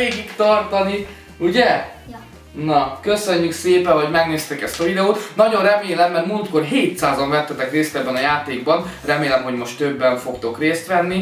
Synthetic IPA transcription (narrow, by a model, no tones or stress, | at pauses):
eːɡikt̪ɒrt̪ɒni | uɟɛ | nɒkøsø̞ɲːykseːpɛvoɟmɛɡneːst̪ɛkɛst̪ɒvid̪ɛoːt̪nɒɟo̞nrɛmeːlɛmːɛrtmuːlt̪ko̞rɦeːt̪saːzɒɱvɛt̪ːɛt̪ɛkreːst̪ɛbːɛnɒjaːt̪eːɡ̚bɒnrɛmeːlɛmɦo̞ɟmo̞ʃt̪ːøbːɛɱfo̞kt̪o̞kreːst̪ʋɛnːi